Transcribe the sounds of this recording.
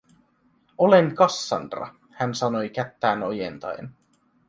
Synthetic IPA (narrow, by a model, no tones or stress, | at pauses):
o̞leŋkɑsːɑ̰nrɑ̰ | hænsɑno̞jkæt̪ːæːnojḛnt̪ɑ̰jḛn